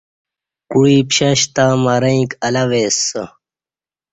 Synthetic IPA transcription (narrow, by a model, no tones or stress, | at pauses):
kuipɕɐɕt̪aːmɐɾɐĩkɐlɐweːsːə